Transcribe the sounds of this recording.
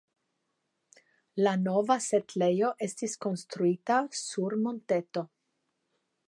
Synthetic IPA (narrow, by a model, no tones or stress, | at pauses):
lano̞vasetle̞jo̞ʔe̞stisko̞nst̪ɾuitasuɾmo̞nte̞to̞